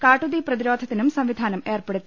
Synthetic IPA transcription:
kaːʈːud̪iprɐðiɾo̞ːd̪ʱɐt̪ːinumsɐmʋid̪ʱaːnɐmeːrpeɽut̪ː

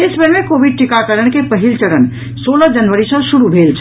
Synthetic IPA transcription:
esbʱəɾmẽkobiɖ̚ʈikakəɾəɽ̃kepəɦilt͡ʃəɾən | soːləd͡ʒənʋəɾisə̃suɾubʱeːlt͡ʃʰ

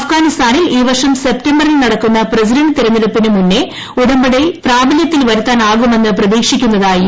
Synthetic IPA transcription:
ɐfɡaːnist̪aːniliːʋɐrʂɐmse̞p̚tembɐrilnɐɽɐkːunːɐprɐs̬idɐɳɖɨt̪iɾɐnːilɐpːinɨmunːe | uɽɐmbɐɽepraːbɐljɐt̪ːilʋɐɾut̪ːaːnaːɣume̞nːɨprɐðiːkʂikʲːunːɐðaːji

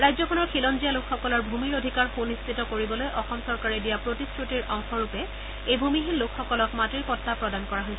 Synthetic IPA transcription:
ɹajzɔkʰɔnɔɹkʰilɔnzijalʊkʰxɔkɔlɔɹbʱumiɹodʱikaɹxunistitɔkoɹibɔlojʔɔxɔmsɔɹkaɹɛdijapɹotistɹutiɹʔɔŋxɔɹupɛ | ejbʱumiɦinlʊkxɔkɔlɔkmatɹiɹpɔtːapɹɔdankɔɹaɦojs

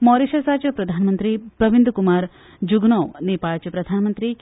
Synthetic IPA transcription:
moːɾiʃɐsat͡ʃɐpɾɐd̪ʱaːnɐmənt̪ɾipɾɐʋind̪kumaːɾ | d͡ʒuɡnowneːpaːlt͡ʃɐpɾɐd̪ʱaːnmɐnt̪ɾik

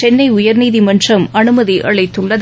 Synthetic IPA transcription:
ɛnːɐɪʊjɐɾniːðimɐndrɐmɐnɯmɐðiʔɐɭɐɪt̪ːɯɭːɐð

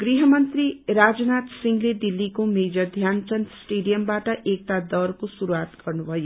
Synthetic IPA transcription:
ɡriɦʌmʌnt̪riɾad͡znat̪siŋɡled̪ilːikomed͡zʌrd̪ʱjant͡sʌnt̪sʈeɖijʌmbaʈʌʔek̚t̪ad̪ʌrkosuɾuat̪ɡ̥ʌrnubʱʌjo

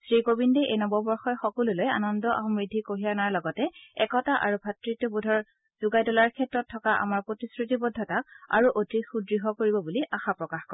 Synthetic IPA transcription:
sɹikobindeʔejnɔbɔbɔɹxɔjxɔkɔluloja̰nɔndɔʔa̰ɦɔmɹidʱikoɦijanaɹlɔɡɔtɛɛkɔtaʔa̰ɹubʱatɹitːubudʱɔɹ | z̥uɡajdɔlaɹkʰɛtːɹɔtʰːɔkaʔa̰maɹpɹotisɹutibɔdʱɔtak̚a̰ɹuʔotixudɹiɦɔkoɹibɔbuliʔaxapɹɔkaxkɔ

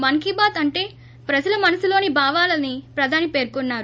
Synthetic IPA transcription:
mɐŋkibaːt̪ɐɳʈe̞ː | pɾɐd͡ʒɐlɐmɐnɐsulo̞ːnibaːʋaːlɐnipɾɐd̪ʱaːnipe̞ːɾkonːaːɾu

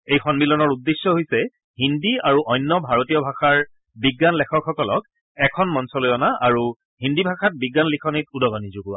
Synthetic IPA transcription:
ejxɔnmilɔnɔɹudːesːɔɦojsɛ | hindiaɹuʔɔjnːɔbʱaɹotijɔbʱaxaɹ | biɡːanlɛkʰɔkxɔkɔlɔk̚ | ɛkʰɔnmɔnsɔlojɔnaʔaɹu | hindibʱaxat̚biɡːanlikʰɔnitudɔɡɔnizoɡuwa̰

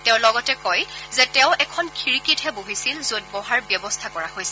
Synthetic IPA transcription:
tɛ̃ʊ̃lɔɡɔtɛkɔjzɛtɛʊ̃ɛkʰɔnkʰiɹikitʰɦɛboɦisilzot̚bɔɦaɹbjɔbɔstʰakɔɹahojsɛ

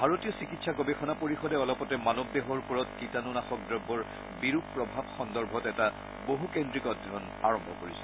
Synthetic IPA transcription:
bʱaɹotijɔsikitsaɡobexɔnapoɹixɔdɛɔlɔpɔtɛmanɔbdeɦɔɹpɔɹɔtkitanunaxɔk̚dɹɔbːɔɹ | biɹub̚pɹɔbʱabxɔndɔɹbʱɔtɛta | boɦukendɹikɔdʱɔn | a̰ɹɔmbʱɔkoɹisɛ̥

